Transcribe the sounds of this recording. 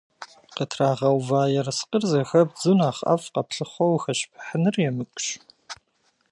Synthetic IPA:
qətʰraːʁɐwvaːjɛrsqərzɐxɐb̚zunaːχɐ̰fqɐpɬɨχʷowxɐɕpʰħənɨrjɛmɨkʷʼɕ

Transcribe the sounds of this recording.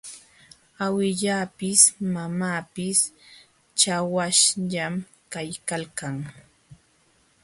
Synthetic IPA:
awɪʎaːpɪsmamaːpɪs | t͡ʃawaʃʎam | kajkalkaŋ

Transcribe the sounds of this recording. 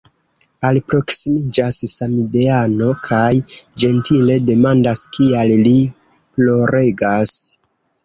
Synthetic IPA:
alpɾo̞ksimid͡ʒassamideano̞kʰajd͡ʒe̞ntile̞de̞mandaskialli | plo̞ɾe̞ɡas

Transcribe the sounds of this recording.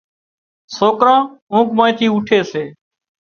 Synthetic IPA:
soːkɾãːũːkmãːĩːt̪ʰiːʊʈʰeːseː

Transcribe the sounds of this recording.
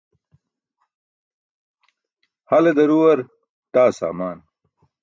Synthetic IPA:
hɐled̪ɐɾuwɐɾ | t̪aːsa̰ːmaːn

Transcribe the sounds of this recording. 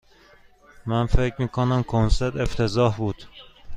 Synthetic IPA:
mænfecʰmiːkʰonæmkʰonseɾt̪ʰe̞ft̪ʰe̞zɒːhbuːd̪̥

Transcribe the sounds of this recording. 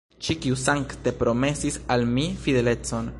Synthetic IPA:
t͡ʃikiusaŋkt̪e̞pɾo̞me̞sisalmifide̞le̞t͡so̞n

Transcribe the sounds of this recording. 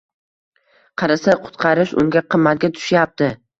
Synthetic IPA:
qʰɑɾasaqʰʊ̥t̪qʰɑɾɪʃʊ̰ŋɡʲaqʰɨmːat̪̚ɡʲat̪ʰʊ̥ʃjap̚t̪ɪ

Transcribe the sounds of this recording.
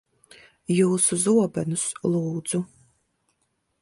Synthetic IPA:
jɨwsɨzuɔbɐnɨsluːd͡zu

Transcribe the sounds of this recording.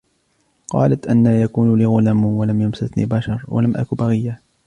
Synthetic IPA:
qɑ̰ːlat̪ʔanːaːjakuːnliːɣʊlamwalamjʊmsat̪nḭːbaʃɑɾˤwa̰lamʔa̰kʊbaɣɪjːa

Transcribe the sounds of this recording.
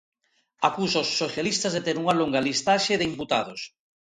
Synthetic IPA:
akusaosːoθjalist̪azðet̪eɾuŋaloŋɡalist̪aʃeðeimput̪að̞os

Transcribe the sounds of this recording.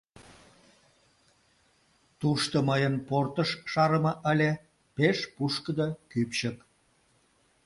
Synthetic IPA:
t̪uʃt̪oməjənport̪əʃːɑɾəmɑʔəlʲe | peʃpuʃkəd̪ɑkypʃək

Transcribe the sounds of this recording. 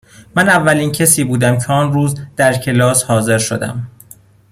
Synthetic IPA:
mænævːæliːncʰesiːbuːd̪æmcʰeɒːnɾuːzd̪̥æɾcʰe̞lɒːshɒːze̞ɾʃo̞d̪æ̰m

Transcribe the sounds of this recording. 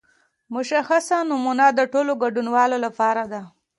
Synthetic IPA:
mʊʃaxasanʊmunad̪əʈoloɡaɖunwɑlolapɑɾad̪a

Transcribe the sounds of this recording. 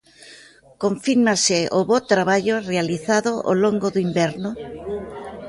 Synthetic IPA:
koɱfiɾmasɪʔoβot̪ɾaβaʎorealiθaðoʔo̰loŋɡoðoimbɛɾnʊ

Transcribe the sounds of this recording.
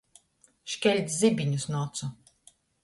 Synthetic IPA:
ʃkʲɛlʲt̪szibiɲusnɔt̪su

